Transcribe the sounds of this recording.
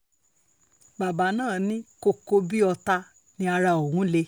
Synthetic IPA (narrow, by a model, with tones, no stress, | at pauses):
ba˨ba˨˦nãː˦˨nĩ˦ko˧ko˧bi˦ɔ˧ta˧ | nĩ˧a˧ɾa˧o˨hũ˨˦le˧